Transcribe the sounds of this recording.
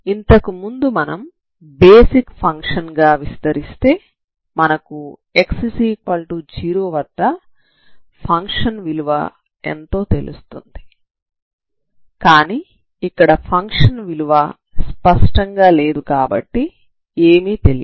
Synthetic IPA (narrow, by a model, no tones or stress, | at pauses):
int̪ɐkumund̪umɐnɐm | beːsikpʰɐŋkʂɐnɡaːʋist̪ɐɾist̪e̞ː | mɐnɐkue̞ksɐsiːkɐlʈud͡ʒiːɾoːʋɐɖːɐ | pʰɐŋkʂɐnʋiluʋa̰ | e̞̰nt̪o̞ːt̪e̞lṵst̪und̪i | kaːniː | ikːɐɽɐpʰɐŋkʂɐnʋiluʋa | spɐʂʈɐŋɡaːle̞ːd̪ukaːbɐ̰ʈːi | eːmiːt̪elḭ